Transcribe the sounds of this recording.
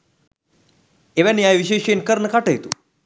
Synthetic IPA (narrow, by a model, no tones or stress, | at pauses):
eʋænjajʋiɕeɕenkəɾɳəkaʈəjt̪ṵ